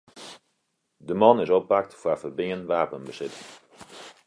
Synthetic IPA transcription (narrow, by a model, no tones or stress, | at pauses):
dəmɑnɪsɔp̚bak̚tfəːrfərbɪŋənʋaːpənbəsɪtɪŋ